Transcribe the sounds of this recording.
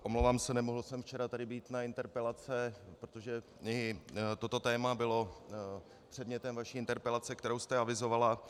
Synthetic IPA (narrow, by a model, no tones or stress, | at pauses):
ʔomlowvaːmsɛnɛmoɦl̩sɛmft͡ʃɛɾat̪adɪbiːt̪naɪnt̪ɛɾpɛlat͡sɛpɾot̪oʒɛ | ɪt̪o̞t̪ot̪ɛːmabɪlo̞ | pr̥ɛdmɲɛt̪ɛmvaʃiːʔɪnt̪ɛɾpɛlat͡sɛkt̪ɛɾowst̪ɛavɪzo̞vala